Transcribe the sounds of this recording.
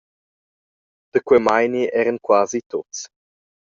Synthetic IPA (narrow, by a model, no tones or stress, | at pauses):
d̪̥əkwɛmajniʔɛɾənkwaːzit̪ott͡s